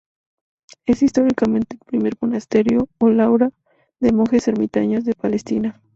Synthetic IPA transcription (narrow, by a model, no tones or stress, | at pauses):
e̞sist̪o̞ɾikamẽ̞nt̪elpɾime̞ɾmonast̪e̞ɾjo̞ːlawɾa | ðe̞moxeseɾmit̪a̰ɲozðe̞pale̞st̪ina